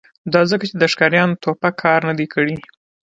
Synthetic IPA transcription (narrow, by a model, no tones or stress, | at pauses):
d̪ɑzəkat͡ʃed̪əʃkɑɾjɑnot̪opakʰɑɾnad̪ekʰəɽi